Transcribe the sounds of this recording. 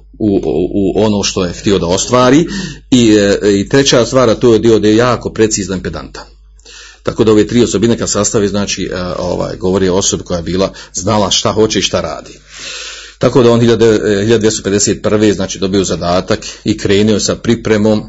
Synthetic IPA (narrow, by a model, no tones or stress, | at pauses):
uuʔo̞no̞ːʃt̪o̞je̞xt̪io̞d̪ao̞st̪ʋaːɾiːiit̪ɾe̞t͡ɕaːst̪ʋaːɾat̪oːjed̪io̞d̪iojaːko̞pɾe̞t̪siːznaimped̪a̰nt̪ḁ | t̪akoːd̪aoʋeːt̪ɾiːo̞sobine̞kad̪sast̪aʋiːznaːt͡ʃiːʔo̰ʋa̰ːjɡo̞ʋo̞ɾieo̞so̞biko̞jaːjebiːlaznalaʃt̪aho̞t͡ɕeiʃt̪aɾa̰ːd̪i̥ː | t̪akoːd̪aonhiʎad̪d̪ehiʎad̪d̪jest̪oped̪eseːt̪̚pr̩ʋeznaːt͡ʃiːd̪o̞bijo̞zad̪aːt̪akikɾe̞ːnuosapɾipɾemoːm